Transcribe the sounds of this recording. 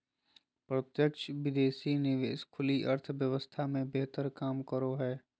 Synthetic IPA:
pɾət̪jəkʃəʋɪd̪eːsinɪʋḛːskʰʊliʔɐɾt̪ʰʋjəʋəst̪ʰamẽbeɦt̪əɾkaːmkəɾoɦɛː

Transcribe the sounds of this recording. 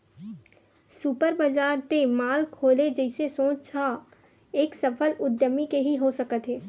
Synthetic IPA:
supəɾbəd͡ʒaːɾt̪emaːlkʰoːled͡ʒəɪsesõːt͡ʃt͡ʃʰa | eːksɐpʰəlʊd̪jəmikeɦiɦosəkət̪ɦeː

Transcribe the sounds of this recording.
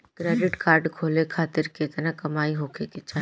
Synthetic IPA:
kɾɛːɖɪʈkaːɾɖkʰoːlekʰaːt̪ɪɾket̪nãkɐmaːiɦoːkʰekɪt͡ʃʰa

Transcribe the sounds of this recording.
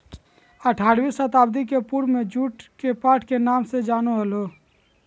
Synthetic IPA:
əʈʰaːɾʋiːsət̪aːbd̪ikepuɾmẽd͡ʒuʈkepaːʈʰkenaːmsed͡ʒaːnoɦəlo

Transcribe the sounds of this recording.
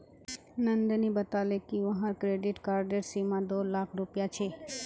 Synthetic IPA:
nənd̪nibət̪alekiʋəɦãɾkɾeɖɪʈkaːɾɖeɾsimãd̪olakʰɾupjat͡ʃʰe

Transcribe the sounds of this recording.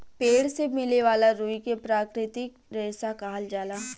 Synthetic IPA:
peːɽsemɪleʋaːlaɾuːikepɾaːkɾɪt̪ɪkɾɛːsakaːld͡ʒaːlaː

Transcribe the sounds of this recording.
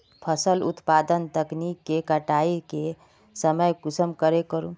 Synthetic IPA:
pʰəsəlṵt̪pad̪ənt̪əknikːekəʈaike | səməjkusəmkəɾekəɾṵ̃

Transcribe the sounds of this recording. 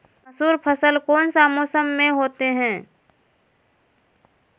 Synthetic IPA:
məsuːɾpʰəsəlkoːnsaːmoːsəmːẽɦoːt̪eɦɛ̃ː

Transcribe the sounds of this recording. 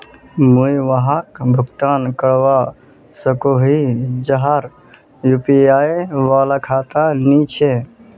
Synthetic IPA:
mujʋəɦakbʱuɡt̪aːnkəɽʋa | səkoɦid͡ʒəɦaɾ | jupijaːjʋaːlakʰaːt̪anit͡ʃʰe

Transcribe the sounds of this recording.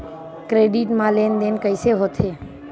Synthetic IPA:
kɾeːɖiʈmãlend̪enkəɪseɦot̪ʰe

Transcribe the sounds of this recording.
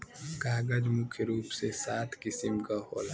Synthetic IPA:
ɡaːɡɐd͡ʒmukʰeɾuːpsesaːt̪ʰkɪsɪmkaɦo̰ːla

